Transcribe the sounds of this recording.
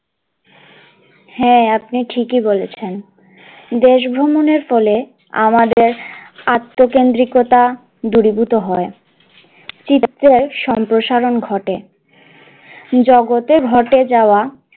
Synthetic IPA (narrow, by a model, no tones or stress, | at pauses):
hɛapniʈʰikibolet͡ɕʰen | d̪eʃ̬bʱɾomoneɾfɔle | a̰mad̪eɾat̪ːokend̪ɾikot̪a | d̪uɾibut̪oɦɔe | t͡ɕieɾʃɔmpɾoʃaɾonɡʱɔʈe | d͡ʑɔɡot̪eɡʱɔʈed͡ʑaoa